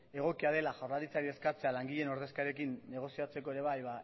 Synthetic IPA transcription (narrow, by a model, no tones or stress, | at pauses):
e̞ɣ̞o̞kiaðe̞laʝawɾlaɾit͡saɾie̞skat͡se̞alaŋɡiʎe̞no̞ɾð̞e̞skaɾe̞kinːe̞ɣ̞o̞siat͡se̞ko̞e̞ɾe̞β̞ajβa